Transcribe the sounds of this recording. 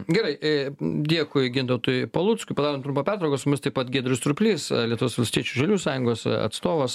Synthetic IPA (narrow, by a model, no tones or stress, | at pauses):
ɡʲɛɾɐɪd̪ʲiɛkʊɪɡʲɪnt̪ɐt̪ʊjpɐlˠuːt̪skʊpɐd̪ɑːɾomt̪ɾʊmpɐpʲæːrt̪ɾɐʊkosʊmʲɪst̪ɐɪpɐt̪ɡʲiɛd̪ʲɪɾʲʊst̪ɾʊpʲlʲiːslʲiɛt̪ʊʋʲoːsʋɐlʲsʲt̪ʲiɛt͡ʃʲuʒɐlʲuːsɑːjʊŋɡoːsɐ̰t̪st̪oːʋos